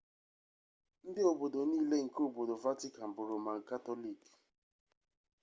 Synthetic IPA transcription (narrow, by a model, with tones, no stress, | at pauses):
n̩˦dɪ˦o˨bo˨do˨niː˦le˦ŋ̩˨ko˨bo˨do˨va˦ti˦ka˨m̩˨bʊ˨ɾo˨ma˨ŋ̩˨ka˦to˦li˨k